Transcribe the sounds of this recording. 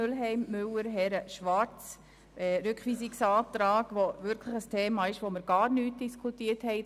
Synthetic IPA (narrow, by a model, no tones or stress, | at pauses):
ølɦɛɪmːʏwəɾɦɛɾəʃʋɑɾt͡s | ɛɾʏkχʋiːsɪksɑːt̪ɾɑːɡʋoʋʏɾkʰləχəstʰeːmɑːɪʃʋoməɾɡɑːɾnyːt̚d̥iskʰutiəthɛɪ